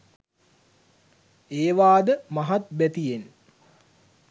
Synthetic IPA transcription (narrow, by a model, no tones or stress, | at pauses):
eːʋaːd̪əmaɦat̪bæt̪ijen